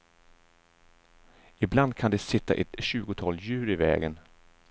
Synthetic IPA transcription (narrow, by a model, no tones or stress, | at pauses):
ɪbland̪̚kʰand̪ɛsɪt̪ːa̰ʔɛt̪ɕʉ̟ːɡʊt̪ʰɑːljʉ̟ːɾɪvɛ̰ːɡən